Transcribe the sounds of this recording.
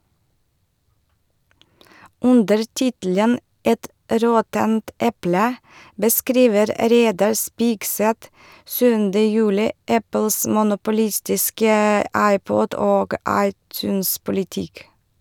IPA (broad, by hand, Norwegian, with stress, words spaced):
ˈʉndəɾ ˈtɪtl̩ən ˈɛt ˈɾɔtənt ˈɛplə bəˈskɾiːʋəɾ ˈɾeɪdɑɾ ˈspɪɡsɛt ˈsʉːndə ˈjʉːlɪ ˈæpl̩s mʊnʊpʊˈlɪstɪskə ˈɑɪˌpɔd ˈoːɡ ˈɑɪˌtʉːnspʊlɪˌtɪk